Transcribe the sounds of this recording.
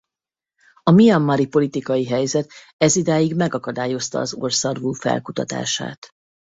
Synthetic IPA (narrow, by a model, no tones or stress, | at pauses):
ɒmijɒmːɒɾipo̞lit̪ikɒjiɦɛjzɛt̪ | ɛzid̪aːjiɡmɛɡɒkɒd̪aːjo̞st̪ɒ̰ːzo̰rsɒrvuːfɛ̰lkut̪ɒt̪a̰ːʃa̰ːt̪